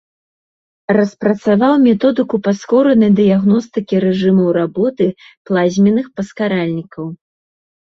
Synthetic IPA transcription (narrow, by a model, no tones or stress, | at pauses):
rɐspɾɐt̪savawmʲɛt̪ɔd̪ɨkupaskɔɾɐnɐjd̪ɨjaɣnɔst̪ɨkʲiɾɛʐɨmɐwɾabɔt̪ɨ | plˠazʲmʲɛnɨxpɐskaɾalʲnʲikɐw